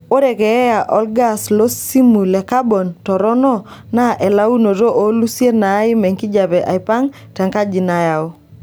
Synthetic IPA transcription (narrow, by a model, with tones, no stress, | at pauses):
o˦ɾɛ˨kɛ˨ɛ˦ja˨ʔɔ˦lɡa˦slo˦si˦mu˨lɛ˨ka˦bɔ˨ntɔ˨ɾɔ˦nɔ˦na˦ʔɛ˨la˦u˦no˨ɾo˦ʔo˦lu˦sje˦na˨˦ɪ˦mɛ˨ŋki˦d͡ʒa˨bɛ˨ʔa̰˨ɪpa˦ŋ | tɛ˨ŋka˦d͡ʒi˨na˨ja˨ʊ˦